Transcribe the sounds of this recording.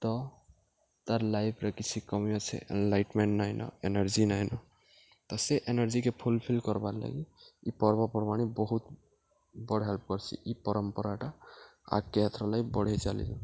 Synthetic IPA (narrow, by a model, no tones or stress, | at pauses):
t̪ɔ | t̪aɾlajbʰɾakit͡ʃʰikɔmiɔt͡ʃʰɛ̰ʔnlajʈmeɳʈnajnʔɔ̰enaɾd͡ʒinajnɔ | t̪ɔseʔenɔɾd͡ʒikepʰulpʰilkɔɾbaɾla̰ɡiipɔɾbɔpɔɾɔmaɽ̃ibɔɦut̪ | bɔɽɦɛlp̚kɔɾt͡ʃʰḭʔipɔɾɔmpɔɾaʈaa̰kːeɦat̪ʰɾɔlajpbɔɽ̤ʱet͡ʃalḭdṵ